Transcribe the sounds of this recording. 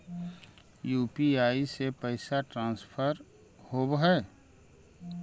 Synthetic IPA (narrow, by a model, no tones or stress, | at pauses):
juːpiaːisepəɪsaʈɾãːnspʰəɾ | hobɦɛː